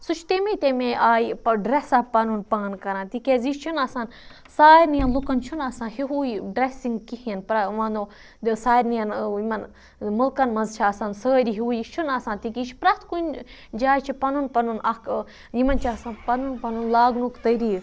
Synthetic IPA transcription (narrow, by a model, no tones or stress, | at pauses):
sut͡ʃʰt̪emet̪emẽʔaːjiɖɾesɐpɐnunpaːnkɐɾãːnt̪ikeːziʃt͡ʃʰunaːsaːn | saːɾnijɐnlukɐnt͡ʃʰunaːsãːhiɦuːjiɖɾesiŋɡkihinpɾɐʋãːnd̪oː | saːjɾnijɐnjimɐn | mulkɐnmɐnzt͡ʃʰaːsaːnsəːɾʲiɦuːjit͡ʃʰunaːsãːnt̪ikit͡ʃʰi̥pɾɐt̪ʰkund͡ʒaːjt͡ʃʰipɐnunpɐnunɐk | jimɐnt͡ʃʰasãːnpɐnunpɐnunlaːɡnukt̪ɐɾiː